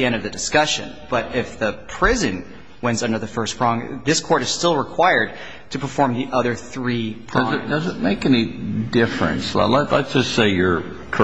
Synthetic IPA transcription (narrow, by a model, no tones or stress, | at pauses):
iɛ̃ndʌvðɨdɨskʌʃɨ̰̃nb̥ʌɾɪfðɨpʰɹ̥ɪzɨ̃n | wɛ̃nzʌ̃ndə˞ðɨfɜ˞spʰɹ̥ɔ̃ŋðɪskʰɔɹɾɨz̥stɪlˠɹəkʰw̥aɪə˞d̚ | tʰɨpʰə˞fɔɹmðiʔʌðə˞θɹipʰʌ̃zɨd̥ʌzɨt̚meɪkɛnidɪfɹɨ̰̃nsl̰lətlə̰tsd̥ʒ̥ʌstseɪjə˞ | kʰ